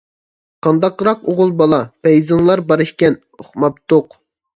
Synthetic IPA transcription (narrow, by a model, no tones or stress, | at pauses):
qʰɑnd̪ɑqɾɑqoʁʊlˠbɑlˠɑpɛjzɨŋlˠɑɾbɑɾɨʃkʲɛn | oχmɑpt̪ʰoq